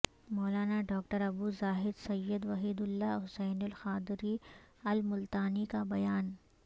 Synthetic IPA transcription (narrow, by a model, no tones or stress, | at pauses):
mɔːlaːnaɖɔːk̚ʈəɾɐbuzaːɦɪd̪sɐjːəd̪ʋɐɦiːd̪ʊlːaɦʊsɛːnʊlxaːd̪ɾiɐlmʊlt̪aːnikabɐjaːn